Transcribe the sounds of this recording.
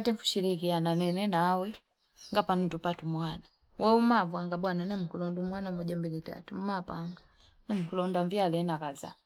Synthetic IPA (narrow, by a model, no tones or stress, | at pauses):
atɛɱfu̥ʃilikiananɛnɛnaːwɛ | ŋɡapanutupatumwana | wʔɛumavwaŋɡaɓwananɛm̩kulɔndumwanamɔʄambilita̰tum̩mapaŋɡa | nɛm̩kulɔndaɱvialɛnakaza̰